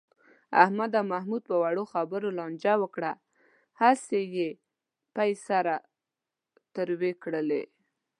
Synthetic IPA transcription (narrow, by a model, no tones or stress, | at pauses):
a̰hmad̪amahmud̪̚pəwaɽoxabəɾolɑnd͡ʒawəkɽa | haseje | pajsaɾa | t̪əɾwekɽəlḛ